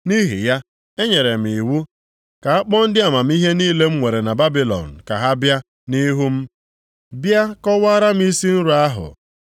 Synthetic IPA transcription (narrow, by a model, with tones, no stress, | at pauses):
ni˦ɦḭ˨ja˦ | e˦ɲe˨ɾe˨m̩˨i˨wu˦ | ka˨a˦k͡pɔ˦n̩˦dɪ˦a˨ma˨m̩˦i˦ɦe˦niː˦le˦m̩˦ŋʷe˨ɾe˨na˨ba˦bi˦lɔ̰˨n̩˨ka̰˨ɦa˦bja˦ | ni˦ɦu˦m̩˦ | bja˦kɔ˦waː˦ɾa˦m̩˦i˦si˦n̩˦ɾu˨a˦ɦʊ̰˨